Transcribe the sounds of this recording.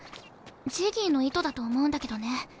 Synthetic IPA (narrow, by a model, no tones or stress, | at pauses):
d͡ʑiːɡʲino̞it̪o̞d̪at̪o̞ːmo̞ɯ̟̃nd̪ake̞d̪o̞ne̞